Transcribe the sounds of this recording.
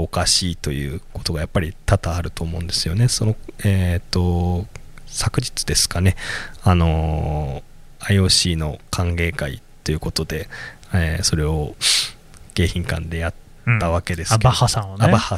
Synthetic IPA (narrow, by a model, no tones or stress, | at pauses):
okaɕiːt̪o̞jɯ̟ːko̞t̪o̞ɡajapːaɾʲit̪at̪aːɾɯ̟t̪o̞ːmo̞ɯ̟̃nd̪e̞sɨjo̞ne̞so̞no̞eːt̪ːo̞ | sakɯ̟ʑi̥t͡sɨ̥d̪e̞sɨ̥kane̞ano̞ | aio̞ːɕiːno̞kʰãŋɡe̞ːkaḭt̪ːo̞jɯ̟ko̞t̪o̞d̪e̞ | eːso̞ɾe̞o̞ | ɡ̥e̞ːçĩŋkã̰nd̪e̞jat̪ː | aβake̞d̪e̞skeahasãonabaha